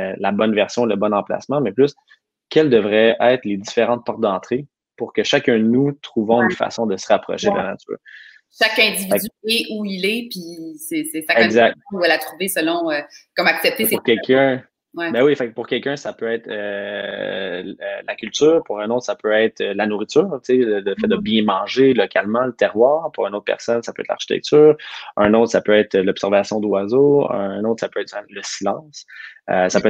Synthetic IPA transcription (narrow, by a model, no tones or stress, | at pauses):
labɔnvɛʁsjɔ̃ləbɔnɑ̃pla̰smãmɛplʏs | kʲɛld̪əvʁɛɛɪt̪χled̪ifeʁɑ̃t̪̚pɔʁt̪̚d̪ɑ̃ːt̪χe | puʁkʲəʃakʲœ̃d̪ənut̪χuvɔ̃ynfa̰sɔ̃d̪əsəʁapχɔ̰ʃed̪la̰na̰t͡sy̰ːʁ | ʃakɛ̃zivifɛyɛʔuilɛpisesesaɛɡzak̚t̪vɛlat̪χuvesəlɔ̃økɔmaksɛp̚t̪esuʁkɛlkʰʲ | wɛbɛwifɛk̚puʁkʲɛlkʲœ̃sapøɛːt̪χø | lakʲylt̪yːʁpuʁɛ̃noʊt̪χsapøɛɪt̪χəlanuʁit̪yːʁselələfɛd̪əbjɛ̃mɑ̃ːʒelɔkʲalmɑ̃lət̪ɛʁwaːʁpuʁynot̪̚pɛ̰ʁsɔnsapøɛ̰t̪lʔa̰ʁʃi̥t̪ɛ̰k̚t̪yːʁœ̃noʊt̪χsapøɛːt̪χəlɔbsɛʁvasjɔ̃d̪wazoə̰̃noʊt̪χsapøɛt̪ɛ̃ləsilɑ̃ːsøsapøɛ